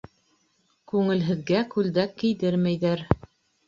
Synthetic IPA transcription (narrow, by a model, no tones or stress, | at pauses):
kʉŋɘ̆lɦɘ̆ðɡækʉld̪ækːɘ̆jðɘɾmæjðæɾ